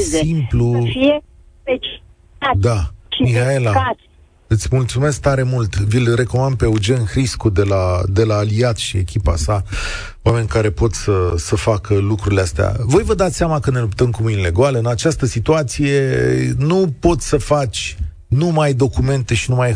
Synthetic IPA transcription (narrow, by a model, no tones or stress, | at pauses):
simplu | t͡ʃ | dd̪amihae̞laa | ɨt̪sʲmult̪sume̞sk̚t̪aɾe̞mult̪vilre̞ko̞mand̪̚pe̞ud͡ʒe̞nxɾiskud̪e̞lad̪e̞laːliat̪ʃie̞kʲipa̰sa | wame̞nʲkaɾe̞po̞t̪səsəfakəlukɾuɾileast̪ea̰vo̞jvəd̪at̪sʲsjamakəne̞lupt̪əmkumɨjinle̞ɡoaləɨnat͡ʃast̪əsit̪uat̪sije̞nupo̞t̪sʲsəfat͡ʃʲ | numajd̪o̞kume̞nt̪e̞ʃinumaj